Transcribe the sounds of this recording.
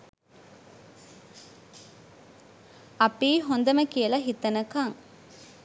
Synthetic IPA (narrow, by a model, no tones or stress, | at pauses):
ɐpiːɦond̪ɐməkijəlɐɦit̪ɐnəkaŋ